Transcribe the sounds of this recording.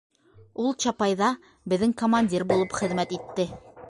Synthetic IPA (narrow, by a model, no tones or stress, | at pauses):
ulˠt͡ɕɑpɑjðɑ | bɘ̆ðɘŋkomanʲdʲirbulˠɤpχɘ̆ðmæt̪it̪ːɘ